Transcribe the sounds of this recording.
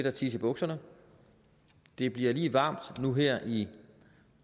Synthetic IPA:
eɾ̥ɐt͡sʰiːsəb̥ɔ̽ɡ̥sɐnə | d̥e̝b̥liɐliːʋɑ̈ːm̰d̥nuɦeɐ̰ʔi

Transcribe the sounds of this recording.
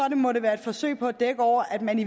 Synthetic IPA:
ɒ̽d̥emɒ̽ɾe̝ʋæːɐe̝d̥fɒ̽sø̰ɪ̰pʰɒ̽æd̥eɡ̥əɒʊ̰ɐʔæd̥mæni

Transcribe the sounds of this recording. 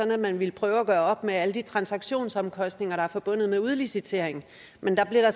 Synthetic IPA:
ɒ̽næmænʋilpʰʁœːʊæɡ̥ɶːɐɒ̽b̥meæləd̥it͡sʰʁɑ̈nsɑ̈ɡ̥ɕo̝̰ːnsɒ̽mkʰɒ̽sd̥ne̝ŋɐɾ̥ɑ̈æɐfɒ̽b̥ɔ̽n̰ð̩ˠmeuð̞ˠlisit͡sʰe̝ɐ̰e̝ŋ | mend̥ɑ̈b̥liɐɾɑ̈

